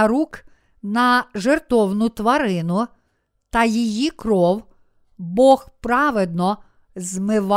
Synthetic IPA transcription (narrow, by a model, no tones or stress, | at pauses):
ɾuk | nɐʒert̪ɔwnʊt̪ʋɐɾɪnʊ | t̪ɐjijikɾɔw | bɔxpɾɑʋed̪nɔ | zmɪʋɑ